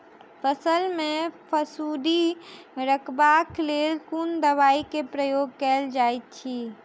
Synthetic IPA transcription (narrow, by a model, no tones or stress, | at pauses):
pʰəsəlmẽpʰəsuːd̪iɾəkʰbakleːlkund̪əβaːikepɾəjoːɡ̚kɛːld͡ʒaːet̪̚t͡ʃʰi